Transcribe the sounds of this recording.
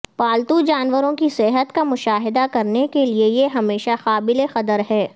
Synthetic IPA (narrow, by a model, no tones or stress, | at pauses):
paːlt̪ud͡ʒaːnʋəɾõkisɛɦət̪kamʊʃaːɦɪd̪akɐɾnekeliejeɦɐmeːʃaxaːbɪlexɐt̪əɾɦɛː